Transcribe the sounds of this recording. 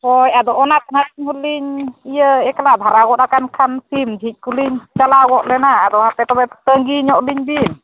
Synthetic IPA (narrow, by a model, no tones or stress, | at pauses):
ɔjad̪ɔʔɔnat̪̚nakɲɦuliɲijəɛklab̪ʱaɾaɡɔʔɾakankʰansimd͡ʒʱic̪̚ˀkʰuliɲt͡ʃalaɡɔʔlɛnaːd̪ɔhapɛt̪ɔbɛt̪əŋɡiɲɔʔliɲbin